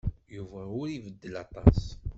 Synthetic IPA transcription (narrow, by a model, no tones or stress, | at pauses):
juvæʊɾivəd̪ːəlɑt̪ˤɑ̰s